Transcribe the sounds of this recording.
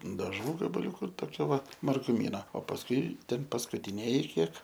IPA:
dɐˈʒuː ɡɐbɐˈlʲuːkʊ toːˈkʲɛ ʋɐ mɐrɡʊˈmʲiːnɐ oː pɐsˈkʊɪ ˈtʲɛn pɐskʊtʲɪˈnʲeːjɪ ˈkʲiɛk

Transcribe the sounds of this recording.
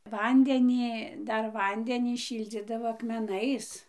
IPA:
ˈʋɐnʲdʲɛnʲɪ ˈdɐr ˈʋɐnʲdʲɛnʲiː ˈʃʲiːlʲd͡zʲiːdɐʋoː ɐkmʲɛˈnɐɪs

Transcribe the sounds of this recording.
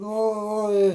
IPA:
ˈnʊ oː oː ˈɪ

